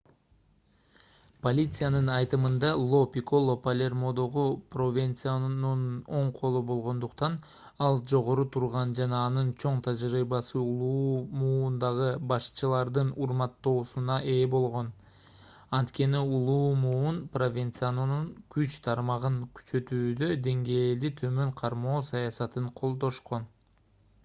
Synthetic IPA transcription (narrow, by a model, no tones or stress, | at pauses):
po̞lʲit̪sɨjanɯnɑjt̪ɯmɯnd̪ɑlˠo̞pʲiko̞lˠopɐlʲe̞rmo̞d̪o̞ʁupro̞vʲent̪sɨjanuno̞ɴqʰo̞lˠubo̞lˠʁo̞nd̪uqt̪ɑn | ɑlˠd͡ʒo̞ʁo̞ɾut̪ʰuɾʁɑnd͡ʒɑnɑːnɯnt͡ʃʰo̞ɴt̪ʰɑd͡ʒɾiːbɑsɯulˠuːmuːnd̪ɑʁɯbɑʃt͡ʃɯlˠɑɾd̪ɯnuɾmɑt̪ːo̞ːsunɑʔe̞ːbo̞lˠʁo̞n | ɑnt̪ke̞niulˠuːmuunpro̞vʲent̪sɨjanununkyt͡ʃt̪ʰɑɾmɑʁɯŋkʰy̥t͡ʃø̞t̪yːd̪ø̞d̪e̞ŋɡe̞ːld̪it̪ʰø̞mø̞ɴqʰɑɾmo̞ːsɑjɑsɑt̪ɯɴqʰo̞lˠd̪o̞ʃqo̞n